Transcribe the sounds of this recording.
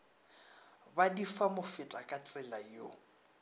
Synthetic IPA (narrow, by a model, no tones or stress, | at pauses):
badifamʊfɪtʼakʼat͡sʼɪlajo̰